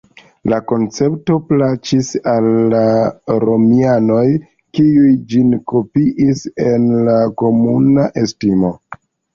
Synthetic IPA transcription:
lako̞nt͡se̞pto̞plat͡ʃisalːaɾo̞miano̞j | kiujd͡ʒinko̞piʔise̞nlako̞munaʔe̞stimo̞

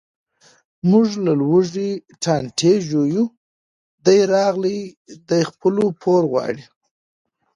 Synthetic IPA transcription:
mʊʐlalwəʐiʈʰɑnʈʰeʒoju | d̪ajɾɑɣli | d̪ajxpəlopʰoɾɣwɑ̰ɽi

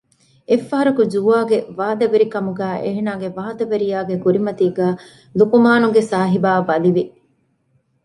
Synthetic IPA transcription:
efːɐɦɐɾɐkud͡ʒuaːɡeʋaːd̪ɐʋeɾikɐmuɡæːʔeːnaːɡeʋaːd̪ɐʋeɾijaːɡekuɾimɐt̪iːɡæː | lukumaːnuɡesaːɦibaːbɐliʋi

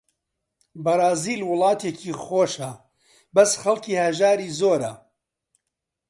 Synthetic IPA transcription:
bɐɾˤɑːziːlwʊlˠɑːt̪ʰeciːχoːʃɐ | bɐsχɐlˠciːhɐʒaːɾiːzoːɾɐ̰

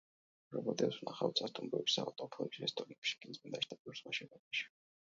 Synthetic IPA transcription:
ɾɔbɔd̪ɛswnʔaχa̰wt̪sʰast̪ʼumbɾuɛbisaat̪ʼɔpʰɛpisiɾɛst̪ʼɔɾinkʃi̥kʼinzmɛnd̪aʃt̪ʰap̪uɾsmaʃɛnɛbaʃi̥

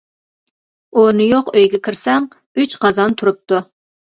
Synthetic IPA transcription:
unɨjoqøjɡʲɛkʲʰiɾsɛŋ | yt͡ʃqɑzɑnt̪ʰuɾup̚t̪u

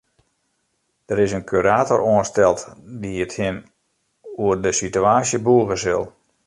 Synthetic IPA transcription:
d̥əɾɪsənkʰyɾaːtɔroənstɛlˠtdiəthɪn | uərdəsityaːsjəbuəɣəsɪlˠ

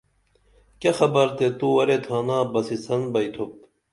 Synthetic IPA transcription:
kɐxɐbɐɾt̪et̪uwɐɾet̪ʰaːnaːbɐsisɐnbɐjt̪ʰup̚

